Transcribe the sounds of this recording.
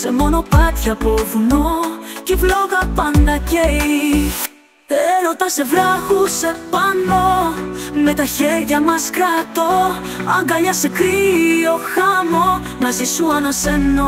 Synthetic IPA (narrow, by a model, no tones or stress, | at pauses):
semo̞no̞pɐt̪çɐpovunocevloɣɐpɐnd̪ɐcei | eɾot̪ɐsevɾɐxusepɐno | met̪ɐçeɾʝɐmɐskɾɐt̪oɐŋɡɐʎɐsekɾio̞xɐmo | mɐzisuɐnɐsenːo